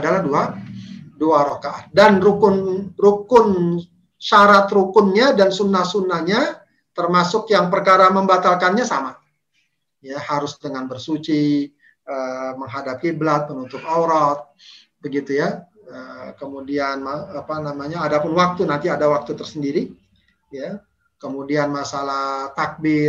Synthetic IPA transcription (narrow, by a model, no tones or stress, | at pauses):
dalahdua | duaɾokaʔa̰t̪̚danrukʊnrukʊn | ʃaɾat̪rukʊnɲadansunːahsunːahɲa | t̪ərmasʊkjaŋpərkaɾaməmbat̪alkanɲasama | jahaɾʊsdəŋanbərsut͡ʃi | ʔəməŋɦadap̚kiblat̪̚pənut̪ʊpawɾɔt̪̚ | bəɡit̪uja | əkəmudianmaapanamaɲaːdapʊnwak̚t̪unant̪iadawak̚t̪ut̪ərsəndiɾi | ja | kəmudianmasalaht̪ak̚bɪ